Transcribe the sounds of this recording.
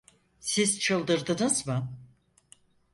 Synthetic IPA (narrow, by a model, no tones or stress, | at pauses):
siz̥t͡ʃʰɯlˠd̪ɯɾd̪ɯnɯzmɯ